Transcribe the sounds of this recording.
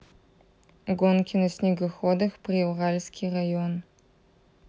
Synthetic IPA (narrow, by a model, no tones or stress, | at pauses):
ɡonkʲʰɪnosnʲiɡɐxod̪ɐxprʲiuʁalʲsʲkʲʰirajon